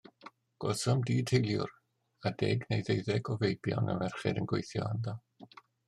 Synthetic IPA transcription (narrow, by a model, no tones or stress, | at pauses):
ɡ̥ɔsɔmdiːd̥ʰhejlˠjʊ̰r | adɛɡnejðejðɛɡɔvejbjɔ̰nə̰mɛrχɛ̰dənɡwejθjɔ̰anðɔ